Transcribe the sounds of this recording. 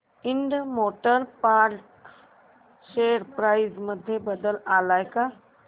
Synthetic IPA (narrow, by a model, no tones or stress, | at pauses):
iɳɖmoʈəɾpaɾʈ | ɕeɾpɾajzməd̪ʱːjebəd̪əlalajka